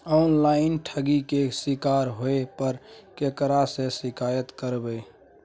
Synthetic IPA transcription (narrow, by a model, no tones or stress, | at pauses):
ɔʊnlaɪnʈʰəɡikesɪkaɾɦoepəɾkekɾasẽsɪkajət̪kəɾbəj